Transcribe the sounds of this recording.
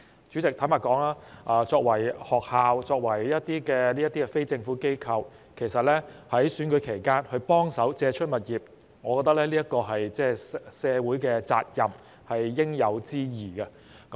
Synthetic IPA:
t͡ʃy˨˥t͡sɪ˨k̚tʰɐ˨˥maː˨˩tkɔː˨˥ŋaː˥ʔaː˧t͡sɔː˧k̚wɐ˨˩jhɔː˨k̚haː˨˧wt͡sɔː˧k̚wɐ˨˩jjɐ˥t̚t̪iː˥kɛː˧ni˥jɐ˥t̪i˥ɛ˧fe˥jt͡sɪ˧ŋfuː˨˥ke˥jkʰɐ˧w | kʰe˨˩jsɐ˨t̚lɛː˥hɐ˨˥jsyː˨˥nkɵ˨˥jkʰe˨˩jkaː˥nhɵ˧ɥpɔː˥ŋsɐ˨˥wt͡sɛː˧t͡ʃʰɵ˥t̚mɐ˨t̚jiː˨p̚ | ŋɔː˨˧kɔ˧t̪ɐ˥k̚lɛː˥liː˥jɐ˥kːɔː˧ɦɐ˨jt͡sɛː˥sɛː˨˧wuː˨˥jkɛː˧t͡sa̰ː˧t̚jɐ˨m | hɐ˨jːɪ˥ŋjɐ˨˧wt͡siː˥jiː˨˩ɡɐ˧ | k

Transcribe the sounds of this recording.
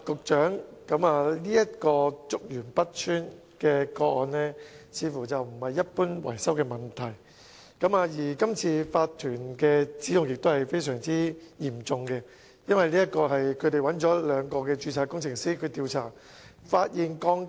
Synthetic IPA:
kʊ˨k̚t͡ʃœː˨˥ŋ | kɐ˨˧˥maː˨liː˥jɐ˥t̚kɔː˧t͡sʊ˨k̚jyː˨˩npɐ˥t̚t͡ʃʰyː˥n | kɛː˧kɔː˧k̚ɔː˧nlɛː˥t͡sʰiː˨˧fuː˨˩t͡sɐ˨wm̩˨˩hɐ˨jːɐ˥t̚puː˥nwɐ̰˨˩jsɐ˥wkɛː˧mɐ˨˩nt̪ʰɐ˨˩j | kɐ˨˥maː˨˧jiː˨˩kɐ˥mt͡sʰiː˧faː˧t̪ʰːyː˨˩nkɛ˧t͡siː˨˥jʊ˨˧ŋjɪ˨k̚t̪o˥whɐ˨jfe˥jsœː˨˩ŋt͡siː˥jiː˨˩mt͡sʊ˨ŋkɛ˧ | jɐ˥nwɐ˨jliː˥ɐ˥t̚kɔː˧hɐ˨jkʰɵ˨˧ɥt̪e˨jwɐ˨˥nt͡ʃɔː˨˥lœː˨˧ŋkɔː˧kɛ˧t͡ʃyː˧t͡sʰaː˨˧kʊ˥ŋt͡sʰɪ˨ŋsiː˥kʰɵ˨˧t̪iː˧wt͡sʰa̰ː˨˩ | faː˧t̚jiː˨nkɔː˧ŋ

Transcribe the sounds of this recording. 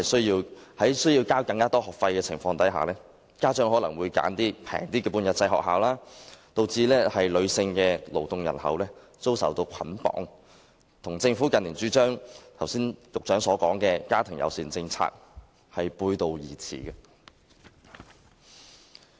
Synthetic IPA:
ɐ˨jsɵ˥ɥjiː˧whɐ˨˥jsɵ˥ɥjiː˧wkaː˥wkɐ˧ŋkaː˥t̪ɔː˥hɔː˨k̚fɐ˧jkɛː˧t͡sʰɪ˨˩ŋfɔː˧ŋt̪ɐ˨˥jɦa̰ː˨lɛː˥ | kaː˥t͡ʃœː˥ŋɦɔː˨˥lɐ˨˩ŋwuː˨˧jka̰ː˨˥nt̪iː˥pʰɛ̰ː˨˩ŋt̪iː˥kɛː˧puː˧njɐ˨˩t̚t͡sɐ˧jɦɔ̰ː˨k̚ɦaː˨˧wlaː˥t̪o˧wt͡siː˧lɛː˥hɐ˨jlɵ˨˧sɪ˧ŋkɛː˧lo˨˩wt̪ʊ˨˧ŋjɐ˨˩nhɐ̰˨wlɛː˥ | t͡so˥wsɐ̰˨˩wt̪o˧wkʰɐ˨˥npɔ̰ː˨˥ŋ | t̪ʰʊ˨˩ŋt͡sɪ˧ŋfuː˨˥kɐ˨nːiː˨˩nt͡ʃyː˨˥t͡ʃœː˥ŋt̪ʰɐ˨˩wsiː˥njʊ˨k̚t͡ʃœː˨˥ŋsɔː˨˥kɔː˨˥ŋkɛː˧kaː˥t̪ʰɪ˨˩ŋjɐ̰˨wsiː˨nt͡sɪ˧ŋt͡sʰa̰ː˧k̚ | hɐ˨jpuː˧jt̪o˧wjiː˨˩t͡sʰḭː˨˩kɛ˧

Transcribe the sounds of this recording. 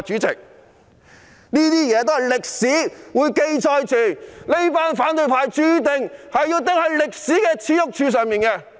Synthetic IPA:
t͡ʃyː˨˥t͡sɪ̰˨˩k̚ | niː˥t̪iː˥jɛː˨˧t̪o˥hɐ˨jlɪ˨k̚siː˨˥wuː˨˧jke˧jt͡sʰɔː˧jt͡syː˨le˥jpaː˥nfaː˨˥nt̪ɵ˧ɥpʰaː˧jt͡ʃyː˥t̪ɪ˨˧ŋhɐ˨jːiː˧wt̪̬ɪ˨˥ŋhɐ˨˥jlɪ˨k̚siː˨˥kɛː˧t͡sʰiː˨˧˥jʊ˥k̚t͡ʃʰyː˧s̬œː˨ŋmiː˨˩nkɛː˧

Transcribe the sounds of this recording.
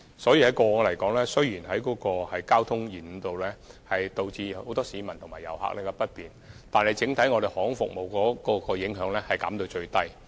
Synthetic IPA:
sɔː˨˥jiː˧hɐ˨˥jkɔː˧ɔ˧lɐ˨˩jkɔː˨˥ŋlɛː˥sɵ˥ɥjiː˨˩nɦɐ˨˥jkɔː˨˥kɔː˧hɐ˨jkaː˥wt̪ʰʊ˥ŋjiː˨˩n̩˨˧t̪o˨wlɛː˥hɐ˨jt̪o˨wt͡siː˧o˨˧wt̪ɔː˥siː˨˧mɐ˨˩nt̪ʰmaː˨˩jɐ̰˨˩wha̰ː˨k̚lɛ˥˧kɛ˧pɐ˥t̚piː˨nt̪aː˨nhɐ˨˩jt͡sɪ˨˥ŋt̪ʰɐ˨˥jŋɔː˨˧ɾe˨jhɔː˨˥ŋfʊ˨k̚mo˨˩wkɔː˨˥kɔː˧kɔː˧jɪ˨˥ŋɦœː˨˥ŋlɛː˥hɐ˨˩jkɐ̰˨˥mt̪o˧wt͡ʃɵ˧ɥt̪ɐ˥j

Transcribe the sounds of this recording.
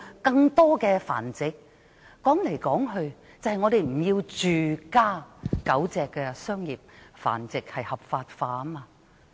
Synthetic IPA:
kɐ˧ŋt̪ɔː˥kɛː˧fa̰ː˨˩nt͡sɪ˨k̚ | kːɔː˨˥ŋle˨˩jkɔː˨˥ŋɦɵ˧ɥ | t͡sɐ˨˧hɐ˨jŋɔː˨˧ɾe˨jm̩˨˩jiː˧wt͡ʃyː˨kaː˥kɐ˨˥wt͡sɛː˨kːɛː˧sœː˥ŋjiː˨p̚fa̰ː˨˩nt͡sɪ˨k̚hɐ˨jhɐ˨p̚faː˧t̚faː˧tɐ˥maː˧

